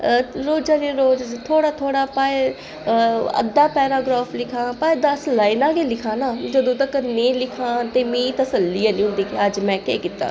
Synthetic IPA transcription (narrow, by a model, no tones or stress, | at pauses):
ɾoːd͡ʒaːnĩːɾoːd͡ʒt̪ʰoːɽaːt̪ʰoːɽaːpaːe | ə̰d̪aːpɛːɾaːɡɾaːfʰlɪkʰãːpaːd̪aslaːɪnãːɡelɪkʰãːnaːd͡ʒəd̪õːt̪əkənẽːlɪkʰãːt̪eːmĩːt̪əsəlːijãːnĩːɦʊ̃nd̪iːkeəd͡ʒmɛ̃ːkeːkɪt̪ːa̰ː